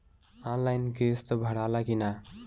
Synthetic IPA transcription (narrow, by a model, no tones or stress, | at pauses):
ãnlajnkest̪ʌbʱəɽalakina